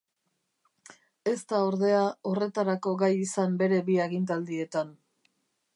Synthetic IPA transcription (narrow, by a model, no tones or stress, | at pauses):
e̞st̪ao̞ɾðe̞ao̞re̞t̪aɾako̞ɣajisambe̞ɾe̞βiaɣint̪̬ald̪ie̞t̪an